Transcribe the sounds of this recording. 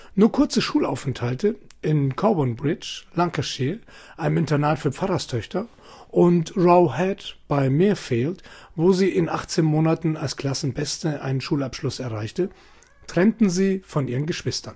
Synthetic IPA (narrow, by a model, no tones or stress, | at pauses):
nuːɐkʰʊɐt͡səʃuːla̰ʊfɛntʰaltʰə | ʔɪnkʰɔbɔnbʁɪt͡ʃlaŋkʰaʃeː | ʔaɪnəmɪntɐnaːtfyːɐp͡faʁɐstʰœçtʰɐ | ʔʊntʁaʊhɛtb̥aɪmɪːɐfeːltvoːziːʔɪnʔaχt͡seːnmoːnatn̩alskl̥asn̩bɛstəʔa̰ɪnənʃuːlapʃlʊsɛɐʁaɪçtə | tʁ̥ɛntn̩ziːfɔnʔiːʁənɡəʃv̥ɪstɐn